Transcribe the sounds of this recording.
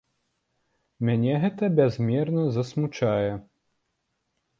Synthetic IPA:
mʲanʲɛɣɛt̪ɐbʲazmʲɛrnɐzɐsmut͡ʂajɛ

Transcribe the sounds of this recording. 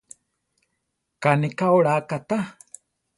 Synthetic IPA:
kanikaoɺakat̪a

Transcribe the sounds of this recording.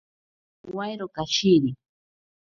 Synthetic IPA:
wajɾokaʃiɾi

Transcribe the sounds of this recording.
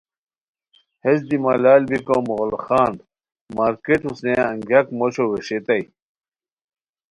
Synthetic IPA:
hesd̪imalaːlbikomoɣlxaːnd̪ | maːɾkeʈusnẽɐŋɡjɐkmoɕoweɕet̪ɐj

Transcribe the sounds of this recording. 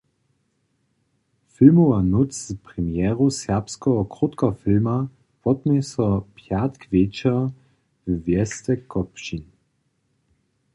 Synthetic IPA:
fɪlmoanut͡spʁɛmjɛːʁusɛʁpskɔɦɔkʁut̪kɔfɪlma | pɔt̪̚mɛsɔpʰjat̪kvjet͡ʃɛ | vvjɛstɛkɔpʃin

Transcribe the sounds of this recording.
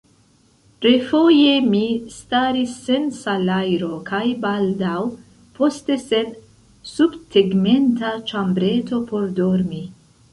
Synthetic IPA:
ɾe̞fo̞je̞mistaɾisːe̞nsalajɾo̞kʰajbaldaw | pʰo̞ste̞se̞n | subteɡme̞ntat͡ʃambɾe̞to̞po̞ɾdo̞ɾmi

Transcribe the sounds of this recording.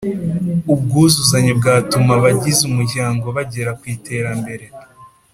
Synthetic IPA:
ub̚ɡuːzuzaɲebɡaːtumaβaɟizumuɾɟaːŋɡo̞βaɟe̞ɾakwiːte̞ːɾambe̞ɾe̞

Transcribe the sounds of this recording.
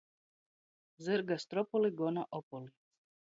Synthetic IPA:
zəɾɡast̪ɾɔpoliɡonaʔopoli

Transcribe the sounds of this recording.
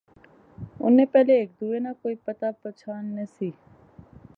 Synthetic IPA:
ʊ̰nːẽːpɛːleːk̚d̪uːeːnaːkoːipət̪aːpət͡ʃʰaːnːəsiː

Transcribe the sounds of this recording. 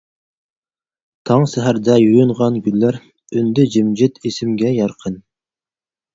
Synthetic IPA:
t̪ʰɑŋsæɦæɾd̪ɛjujuɴʁɑnɡʲynlæɾ | ønd̪ɪd͡ʒɪmd͡ʒɪt̪ʰesɪmɡʲɛjɑɾqʰən

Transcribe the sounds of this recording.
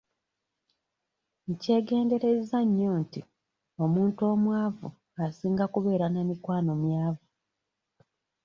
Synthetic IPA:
ɲce̞ːɡe̞ːnde̞ɾe̞zaɲːo̞ːnti | o̞muːnto̞ːmwaːvṵ | asiːŋɡakuβe̞ːɾanamikwaːno̞mjaːvu

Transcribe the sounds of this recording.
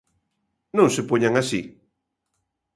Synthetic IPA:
nõŋsepoɲaŋasi

